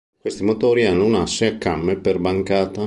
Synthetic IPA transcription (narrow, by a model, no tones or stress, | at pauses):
kwest̪imot̪oːɾianːonasːeakːamːeperbaŋkaːt̪a